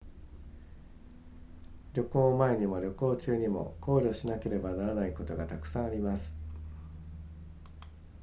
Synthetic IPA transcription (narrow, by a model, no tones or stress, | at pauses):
ɾʲjo̞ko̞ːmae̞ɲ̟imo̞ɾʲo̞ko̞ːt͡ɕɨːɲ̟imo̞̰ko̞ːɾʲo̞ɕinake̞ɾe̞banaɾanaiko̞t̪o̞ɡat̪akɯ̥sãɰ̃aɾʲimasɨ̥